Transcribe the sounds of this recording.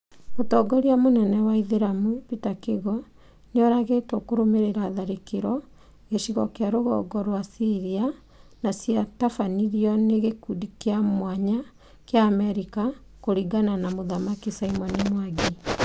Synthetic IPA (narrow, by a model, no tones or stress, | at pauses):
otɔːɡɔɾiamonɛnɛwaiðeɾamwepitakeɣɔ | neɔɾaɣetokoɾomeɾeɾaðaɾekeɾɔ | ɣeʃiɣɔkeaɾoɣɔ̰ɡɔɾwasiɾia | nasiatafaniɾiɔneɣekudikeamwaɲa | keaːmɛɾika | koɾiɡananamoðamakisaimɔnimwaɡi